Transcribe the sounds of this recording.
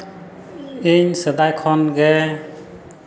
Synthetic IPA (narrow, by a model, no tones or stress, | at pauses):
iɲsəd̪ajkʰɔnɡɛ